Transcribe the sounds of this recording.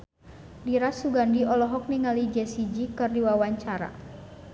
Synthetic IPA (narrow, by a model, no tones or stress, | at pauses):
diɾasuɡandiɔlɔɦɔk̚niŋalid͡ʒɛsid͡ʒikɨrdiwawaɲt͡ʃaɾa̰